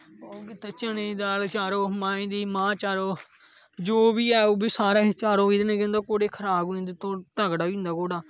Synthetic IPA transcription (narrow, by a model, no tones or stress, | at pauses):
okit̪et͡ʃənẽːd̪aːlt͡ʃaːɾoːmãːĩːd̪iːmãːt͡ʃaːɾoː | d͡ʒoːbiːɛːoːbiːsaːɾaːt͡ʃaːɾoːĩd̪nẽːkẽnd̪aːkoːɽeːkʰəɾaːboĩnd̪it̪õːt̪əɡɽaːĩːnd̪aːkoːɽaː